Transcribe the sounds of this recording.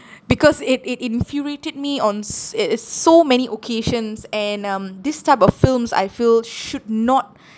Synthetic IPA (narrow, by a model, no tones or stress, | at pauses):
bikɔsɪtɪtĩnfuɹetəd̚miɔ̃n | somɛniʔokʰeʃə̃nsɛ̃nʌ̃md̪istaɪpɔffilmsa̰jfilʃud̚nɔt̚